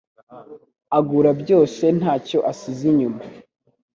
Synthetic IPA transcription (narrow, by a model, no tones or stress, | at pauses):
aɡuːɾabɟo̞ːse̞n̥aːco̞ʔasiziɲuma